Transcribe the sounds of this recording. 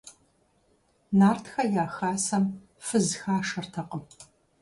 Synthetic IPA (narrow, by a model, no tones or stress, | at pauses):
naːrtʰxɐjaːxaːsɐm | fɨzxaːʂɐrtʰɐqʼəm